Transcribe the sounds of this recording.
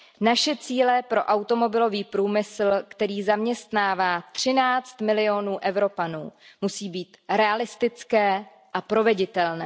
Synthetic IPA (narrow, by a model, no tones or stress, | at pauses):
naʃɛt͡siːlɛpɾo̞̰ʔawt̪o̞mo̞bɪlo̞viːpɾuːmɪsl̩kt̪ɛɾiːzamɲɛst̪naːvaːt̪r̝̥ɪnaːt͡st̪mɪlɪo̞nuːʔɛvɾo̞panuːmusiːbiːt̪ɾɛalɪst̪ɪt͡skɛː | ʔapɾo̞vɛɟɪt̪ɛlnɛː